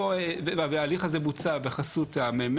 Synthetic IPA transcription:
oevevabealiχazemut͡sabeχasut̪amem

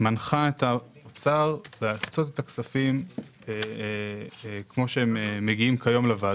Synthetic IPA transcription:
manχaet̪apsaʁbeakt͡sot̪et̪aksafim | e | kmo̞ʃeemeːeɡiimkʰajo̞mlevad

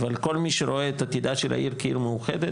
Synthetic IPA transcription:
valko̞lmiʃeɾo̞eːt̪at̪id̪aʃela̰ʔiɾkaiɾmeuχed̪e

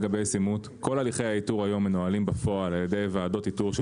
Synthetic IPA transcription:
ɡabe̞jsimut̪ | ko̞laliχejhaituʁajo̞mːenoalimbafo̞alaljede̞jvaado̞tituʁʃ

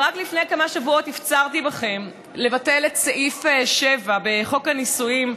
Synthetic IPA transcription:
ʁaklifnejkamaʃavuo̞tift͡saʁtibaχe̞m | le̞vate̞letseʔifʃevabe̞χo̞kanisuim

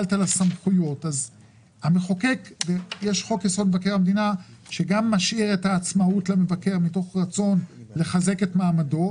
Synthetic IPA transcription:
ltalasamχujo̞taz | ameχokekvejeʃχo̞kjasodmevake̞ʁamed̪inaʃe̞ɡamːaʃiʁethaːt͡smautlame̞vakeʁmito̞χʁat͡so̞nle̞χaze̞ke̞tmaːmado̞

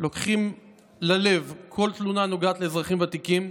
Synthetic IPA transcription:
lo̞kχim | lale̞vkʰo̞lt̪lunanuɡaːt̪leːzʁaχimveat̪ikim

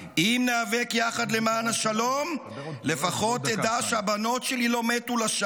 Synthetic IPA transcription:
imneavekjaχad̪le̞maːnaʃalo̞m | le̞faχo̞t̪ed̪aʃeabano̞tʃe̞lilo̞metulaʃa

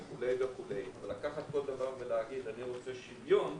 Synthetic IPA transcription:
kulejɡakulejavalːakaχat̪̚ko̞ld̪avaʁveleaɡid̪aniʁo̞t͡seʃivjo̞n

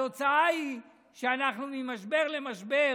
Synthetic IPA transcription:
ot͡saai | ʃeanaχnumimaʃbe̞ʁle̞maʃbe

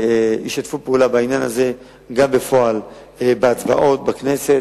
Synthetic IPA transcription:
eiʃjat̪fupeulabainjanaze̞ | ɡambe̞fo̞al | ebeat͡sva̰ʔo̞t̪̚bakne̞se̞t

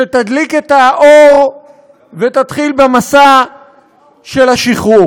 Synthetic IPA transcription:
ʃet̪ad̪liket̪aʔoʁ | vet̪at̪χilbemasa | ʃelaʃiχu

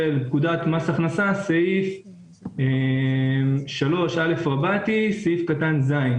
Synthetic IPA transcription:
elpkud̪at̪masaχnasasaif | e | mʃalo̞ʃale̞fʁabat̪isaifkat̪anzain

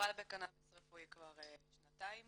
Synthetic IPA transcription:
albekanabesʁefuikvaʁeʃnat̪aim

